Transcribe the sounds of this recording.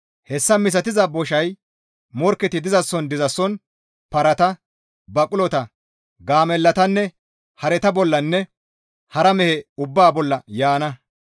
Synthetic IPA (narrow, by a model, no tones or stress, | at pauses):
hɛsːɐmɪs̬ɐt̪ɪzɐbɔʃɐj | mɔɾkːɛt̪ɪd̪ɪzɐsːɔnd̪ɪzɐsːɔn | pɐɾɐt̪ɐ | bɐkʼʊlɔt̪ɐ | ɡaːmɛlːɐt̪ɐnːɛ | hɐɾɛt̪ɐbɔlːɐnːɛ | hɐɾɐmɛhɛʊbːaːbɔlːɐjaːnɐ